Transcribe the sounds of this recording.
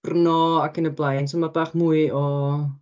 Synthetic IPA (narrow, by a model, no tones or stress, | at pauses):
rnɔakʰənəblˠajnsɔmabaːχmuːɨɔ